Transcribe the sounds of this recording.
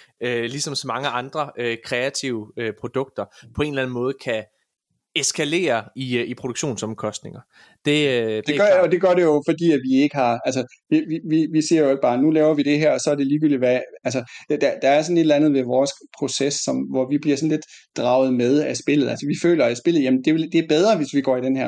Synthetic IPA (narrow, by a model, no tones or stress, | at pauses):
ølisɒ̽msɒmɑ̈ŋəʔɑ̈nd̥ʁɐøkʰʁɛæt͡sʰiʊəøpʰʁo̝d̥ɔ̽ɡ̥̚d̥ɐpʰɒ̽e̝nlæn̩mɔ̽ːð̞̩ˠkʰæ | esɡ̥ʰæle̝̰ːɐiipʰʁoɾuɡ̥ɕo̝̰ːnsɒ̽mkʰɒ̽sd̥ne̝ŋɐ | d̥e̝d̥e̝ɡɒd̥e̝ɡ̥ɶɐɾejo̝fɒ̽d̥ḭːæʋie̝ɡ̥əhɑ̈æls̬ə | iʋiʋiʋise̝ɐ̰jo̝e̝ɡ̥̚b̥ɑ̈ːnulɛːʊɐʋid̥e̝ɦæɐ̰ɒ̽sɒ̽æɐd̥e̝liːɡyld̥iʋææls̬əd̥æd̥ɑ̈æɐsɒne̝ɾlænð̩ˠʋeʋɒːspʰʁo̝sesːɒ̽mʋɒʋib̥liɐsɒ̽n̩le̝d̥d̥ʁɑ̈ʊð̞̩ˠmeð̞ˠæsb̥e̝l̰ð̩ˠælsəʋifø̰ːlɐæsb̥e̝l̰ð̞̩ˠjæmnd̥e̝ed̥e̝æɐb̥eð̞ˠʁɐʋe̝sʋiɡ̥ɒ̰ːid̥enɦæɐ̰